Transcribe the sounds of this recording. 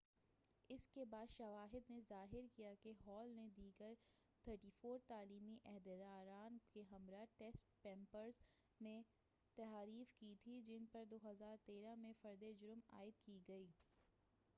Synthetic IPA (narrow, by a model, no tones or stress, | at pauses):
ɪskebaːd̪ʃɐʋaːɦɪd̪nezaːɦɪɾkijakeɦɔːlned̪iːɡəɾ | t̪ʰəɾʈiːfoːɾt̪aːliːmiʔɛɦd̪əd̪aːɾaːnkeɦɐmɾaʈɛsʈpɛ̃ːmpəɾz | mẽ | t̪ɛɦaːɾiːfkit̪ʰid͡ʒɪnpɐɾd̪oːɦɐzaːɾt̪eːɾãmẽfɐɾd̪ed͡ʒʊɾma̰ːɪd̪kiɡɐiː